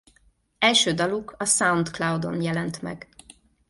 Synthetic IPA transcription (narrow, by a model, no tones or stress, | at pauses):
ɛlʃøːd̪ɒlukʰɒsaunt̪klawd̪o̞̰njɛlɛnt̪mɛ̰ɡ